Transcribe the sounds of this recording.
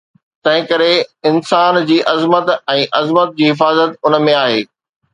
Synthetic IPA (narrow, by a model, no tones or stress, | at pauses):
t̪ɐ̃ɦɪ̃kɐɾeɪnsaːnd͡ʑiːʔɐzmət̪ɛ̃ːʔɐzmət̪̚d͡ʑiːɦɪfaːzət̪ʊnə̆mẽaːɦeː